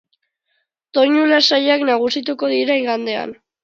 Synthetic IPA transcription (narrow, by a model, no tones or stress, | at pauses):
t̪o̞ɲulasajaknaɣ̞usit̪̬uko̞ðiɾeŋɡand̪e̞a̰n